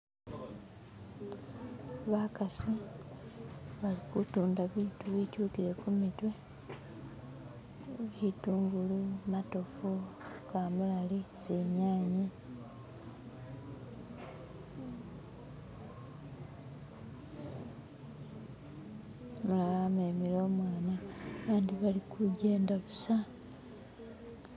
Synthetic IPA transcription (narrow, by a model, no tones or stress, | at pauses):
βakasi | βalikutuːndaβituβituːkiɾe̞kumitwe̞ | βituːŋɡulumato̞fukamulalizeɲaːɲi | mulalame̞ːmilo̞ːmwaːnaːβaːndiβalikuɟe̞ːndaβusa